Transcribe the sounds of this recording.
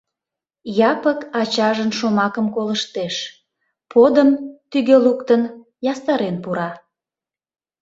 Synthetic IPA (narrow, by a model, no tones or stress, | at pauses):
jɑpəkɑt͡ɕɑʒənʃomɑkəmkoləʃt̪eʃ | pʰod̪əmt̪yɣølukt̪ən | jɑst̪ɑɾenpuɾɑ